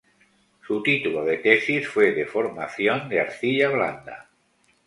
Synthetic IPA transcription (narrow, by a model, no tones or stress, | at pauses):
sut̪it̪uloð̞et̪esisfweðefoɾmaθjond̪eaɾθiʎaβla̰nd̪a̰